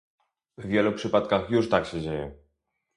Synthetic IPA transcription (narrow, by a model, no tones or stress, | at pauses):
vvʲjɛlupʂɘpat̪kaxjuʂt̪akɕɛd͡ʑejɛ̰